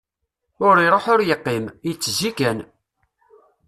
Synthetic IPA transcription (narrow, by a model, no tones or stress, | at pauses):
ʊɾiɾˤoħʊɾjəqːimjət͡sːzikæn